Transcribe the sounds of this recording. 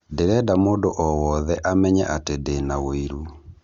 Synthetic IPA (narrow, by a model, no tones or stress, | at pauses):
deɾɛdamoːndoʔɔwɔðɛʔamɛɲɛʔatedenawoiɾu